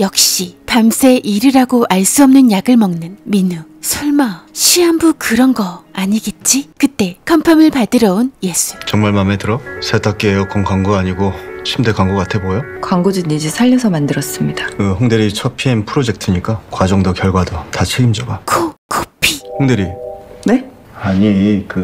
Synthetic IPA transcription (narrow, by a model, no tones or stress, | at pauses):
jʌk̚ɕ͈ipamsʰe̞ʔiɾɯɾaɡoʔaɭs͈uʌmnɯnjaɡɯɭmʌŋnɯnminusʰuɭmaɕʰiambukɯɾʌnɡʌaɲiɡet̚t͡ɕ͈ikɯt͈e̞kʰampʰamɯɭpadɯɾʌonje̞s͈ʰu̥t͡ɕʌŋmaɭmametɯɾʌsʰetʰak͈eejokoŋkʰaŋɡuaɲiɡot͡ɕʰimdekwaŋɡok͈atʰebojokwaŋɡod͡ʑɯnid͡ʑisʰaʎːʌsʰʌmandɯɾʌs͈ɯmɲidakɯhoŋdɯɾit͡ɕʰʌpʰienpʰɯɾod͡ʑe̞k̚tʰɯɲik͈akwad͡ʑʌŋdokjʌɭɡwadotat͡ɕʰeɡimd͡ʑʌɡakʰokʰopʰihoŋdɯɾine | aɲikɯ